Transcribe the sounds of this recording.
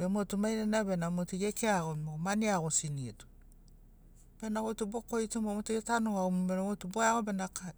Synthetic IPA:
bemotumajɾenaβenamotuɡekeaɡomoomaniaɡosinietu̥ | b̥enaɡotubokoitumbemotuɡetanoaumumeɾomotuboaɡobenaka

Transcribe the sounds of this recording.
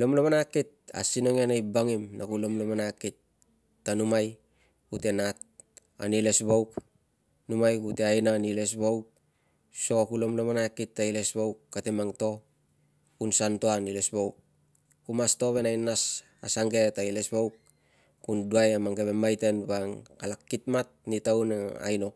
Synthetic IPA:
lo̞mlo̞manakit̚a̰sino̞ŋenajbaŋimnakulo̞mlomanakitː | anumaj | kute̞nat̚ | a̰nile̞sbowk | numajkuteajnanile̞s̬bowk̚ | so̞kulo̞mlomanakitːaile̞sbowkːatemaŋto̞ | kunsantoanilesbowk̚ | kumasto̞βe̞najnas | a̰saŋɡe̞taile̞sbowk̚ | kunduajamaŋɡeβemajtenbaŋalakːitmat̚nitawnaa̰jno̞

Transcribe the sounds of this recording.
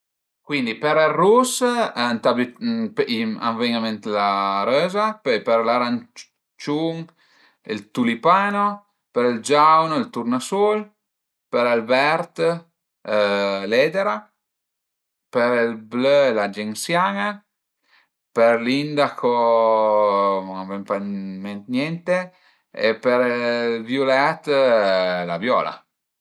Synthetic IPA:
kwind̪ipeɾerːusnt̪abəpia̰ɱvɛŋamɛnt̪laɾøːzapɔjpeɾlaɾan | t͡ʃuŋ | ilt̪ulipaːno | peɾɛld͡ʒawnilt̪uɾnasul | peɾalbɛɾt̪ | lɛːd̪eɾa | peɾilblølad͡ʒeŋsjaːŋa | peɾlind̪akʰo | navɛmpamɛnt̪njɛnt̪e | ḛpeɾilvjulɛt̪ | lavjɔ̰ːla̰

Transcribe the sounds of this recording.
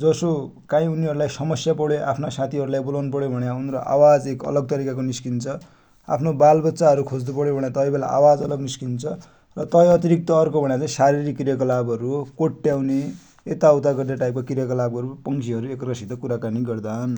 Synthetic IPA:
d͡zʌso | kãĩuniɦʌɾulajsʌmʌsjapʌɽeʔa̰pʰnasat̪ʰiɦʌɾulajbolanpʌɽjobʱʌɽjaunroʔa̰wad͡zekʌ̰lʌɡ̚t̪ʌɾikakoniskint͡sʰʌ | a̰pʰnobalbʌtsaɦʌɾukʰod͡zd̪upʌɽjobʱʌɽ̃jat̪ʌjbela̰ʔa̰wad͡zʌlʌɡniskint͡sʰʌ | rʌt̪ʌʌʌt̪iɾik̚t̪ʌːrkobʱʌɽjat͡saĩsaɾiɾikirjakʌlabɦʌɾukoʈːjawne | et̪aut̪aɡʌrd̪aʈajp̚kakirjakʌlabʌɾupʌŋsʰiɦʌɾuekrʌsid̪ʌkuɾakaniɡʌrd̪aɦʌn

